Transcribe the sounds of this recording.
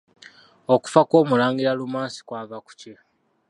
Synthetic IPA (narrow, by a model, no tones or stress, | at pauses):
oku̥fakwo̞ːmulaːŋɡiɾalumaːnsi̥kwaːvaku̥ce